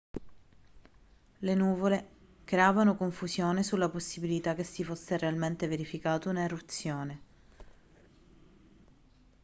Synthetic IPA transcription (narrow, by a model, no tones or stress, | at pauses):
lenuːvole | kɾeaːvanokoɱfuzjoːnesulːaposːibilit̪ak̟ːesːifosːerealment̪eveɾifikaːt̪ounaerut̪sːjoːne